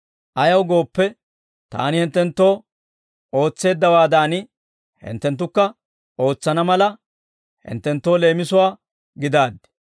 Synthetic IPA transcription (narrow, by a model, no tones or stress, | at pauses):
ʔɐjɐwɡo̞ːpːɛ | t̪a̰ːnɪhɪnt̪ːɛnt̪ːo̞ː | o̞ːt͡sːe̞ːd̪ːɐwaːd̪aːnɪ | hɪ̰nt̪ːɛnt̪ːʊkːɐ | o̞ːt͡sːɐnɐmɐlɐ | hɪ̰nt̪ːɛnt̪ːo̞ːle̞ːmɪsʊwaː | ɡɪd̪aːd̪ːɛ̥